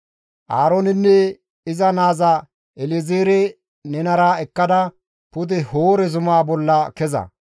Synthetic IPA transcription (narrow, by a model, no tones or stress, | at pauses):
ʔaːɾoːnɪnːɛ | ɪzɐnaːzɐ | ɛlɪzeːɾɛ | nɛnɐɾaːɛkːɐd̪ɐ | pʊd̪ɛhoːɾɛzʊmaːbɔlːɐkɛzɐ̰